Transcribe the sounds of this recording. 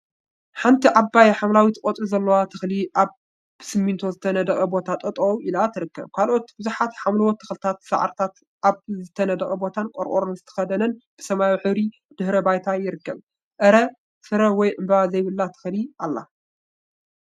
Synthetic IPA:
ħant̪ʰiʕabːajħamlawit̪kʼot̪ʼizɐlːɐwat̪ʰɨxliʔaβ | bɨsɨmːint̪ʰo̞zɨt̪ʰɐnɐd̪ɐkʼɐbo̞t̪ʰat̪ʼɐt̪ʼouʔilat̪ʰɨɾɨkːɐβkʰalʔo̞t̪bɨzuħat̪ħamlɐwot̪ʰːɨxlɨt̪ʰat̪sɐ̰ʕ̰ɾt̪ʰat̪ | ʔaβzɨt̪ʰɐnɐd̪ɐkʼɐbo̞t̪ʰankʼɔɾkʼoɾonzɨt̪ʰɐ̥xɐd̪ɐnɐnb̥ɨsɐmajħɨβɾi | d̪̥ɨhɾɐbajt̪ʰajɪɾɨkːɐβ | ʔɨɾɐ | sɨɾɐwɔjʔɨmbɐβazɐjβɨlːat̪ʰɨ̥xliʔalːa̰

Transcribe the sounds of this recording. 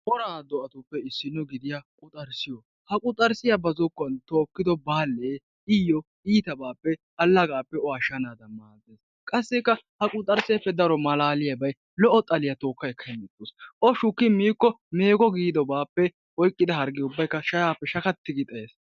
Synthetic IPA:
ʔɔɾaːd̪ɔʔɐt̪ʊpːɛɪsːɪnːɔɡɪd̪ɪjakʼʊt̪ʼɐɾsɪjɔ | hɐkʼʊt̪ʼːɐɾsɪjɐbɐzɔkːɔɐnt̪oːkːɪd̪ɔbaːlːeː | ɪjɔ | iːt̪ɐbaːpːɛʔɐlːɐɡaːpːɛɔɐʃɐnaːd̪ɐmaːzeːs | kʼɐsːɛkːɐhɐkʼʊt̪ʼːɐɾsepːɛd̪ɐɾɔmɐlaːlɪjɐbɐj | lɔʔɔt̪ʼɐlɪjɐt̪o̞ːkːɐjɛkʰːɐmɪt̪ːosʔɔʃʊkːɪmiːkːɔmeːɡɔɡiːd̪ɔbaːpːɛ | ɔjkʼːɪd̪ɐɦɐɾɡɪʊbːɐjkːɐʃɐjaːpːɛʃɐkɐt̪ːɪɡɪt̪ʼɐeːs

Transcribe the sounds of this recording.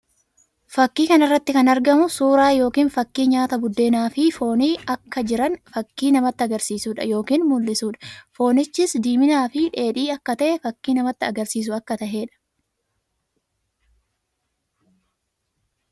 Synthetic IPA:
fɐkːiːkɐnɪrːɐt̪ːɪkɐnɐɾɡɐmʊsuːɾaːjo̞ːkiːnfɐkːiːɲaːt̪ɐbʊd̪ːe̞ːnaːfɪfo̞ːniːɐkːɐd͡ʒɪɾɐnfɐkːiːnɐmɐt̪ːɪɐɡɐɾsiːsuːᶑɐ̰jo̞ːkiːnmʊlːɪsuːᶑɐ̥fo̞ːnɪt͡ʃːɪsd̪iːmɪnaːfɪᶑe̞ːᶑiːɐkːɐt̪ɐʔɛfɐkːiːnɐmɐt̪ːɪɐɡɐɾsiːs̬ʊɐkːɐt̪ɐhe̞ːᶑɐ̥

